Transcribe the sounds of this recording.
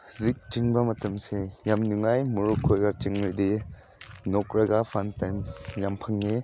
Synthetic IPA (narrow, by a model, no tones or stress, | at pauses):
zik̚t͡ʃɯŋbamatɐmsejamnuŋajmuɾukʰːojɡat͡ʃɯŋɾidi | nɔk̚ɾaɡapʰantanjampʰaŋːi